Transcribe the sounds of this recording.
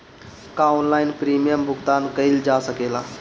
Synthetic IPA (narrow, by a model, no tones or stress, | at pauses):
kaːʊnlaːɪnpɾiːmijəmbʱʊɡt̪aːnkəild͡ʒaːsəkeːlaː